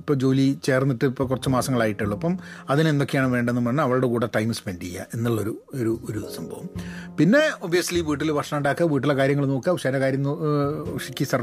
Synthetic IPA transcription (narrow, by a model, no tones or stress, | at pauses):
pːod͡ʑo̞ːlit͡ɕe̞ːrnːiʈːɨpːokːurɐt͡ɕːɨmaːsɐŋːɐɭaːjiʈːiɭːɐpːɐmɐðinend̪o̞kːejaːɳɨʋe̞ːɳɖenːumɐɳːɐɐʋɐɭuɽe̞kuːɽeʈɐjmɨspendijːɐ̰ʔe̞nːuɭːoɾuoɾuoɾusɐmbʱɐʋɐmpinːe̞objɐsliʋiːʈːilʋɐrʂɐmuɳɖaːkːɨʋiːʈ̬ːilːekaːɾjɐŋːɐɭno̞ːkːɨɐʋʂɐnɐkaːɾjɐmːɨʂikʲːisɐr